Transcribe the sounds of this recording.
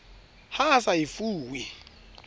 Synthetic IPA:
hasajifuːwi

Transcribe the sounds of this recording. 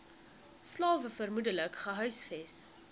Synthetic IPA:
slɑːvəfərmudələkχəɦœɥsfɛs

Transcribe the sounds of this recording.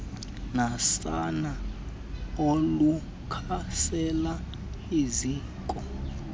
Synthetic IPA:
nasana | olu | kʰasɛla | iziːŋkʼɔ

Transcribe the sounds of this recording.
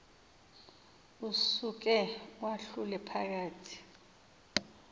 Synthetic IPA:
usuk̬ɛwaɬulɛpʰak̬aːtʰi̥

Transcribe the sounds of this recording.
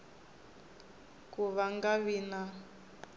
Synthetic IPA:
kuβaŋɡaβina

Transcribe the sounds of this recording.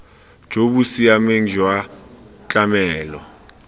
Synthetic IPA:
d͡ʒ̥ʱobusiameŋ̩d͡ʒʱwat͡ɬʼamɛːlɔ

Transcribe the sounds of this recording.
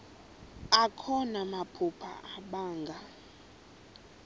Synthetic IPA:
akʰɔnamapʰupʰa̰ʔaɓaːŋɡʱa

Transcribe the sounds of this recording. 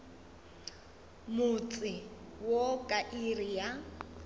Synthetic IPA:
mʊt͡sʼɪ | wokʼaʔirija

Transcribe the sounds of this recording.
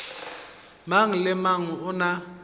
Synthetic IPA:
maŋ̩lɪmaŋ̩ʊna

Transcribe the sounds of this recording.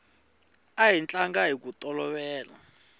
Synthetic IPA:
ajint͡ɬʼaŋɡaɦik̬ʼutʼɔlɔɓɛːla̰

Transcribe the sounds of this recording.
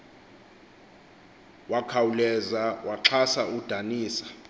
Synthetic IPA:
wakʰawulɛzawʔaǁʰasaud̥ʱaniːsḁ

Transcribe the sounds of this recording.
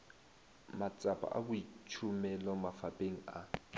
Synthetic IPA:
mat͡sʼapʼa̰ʔa̰bʊit͡ʃʰʊmɛlɔmafapʼeŋ̩a

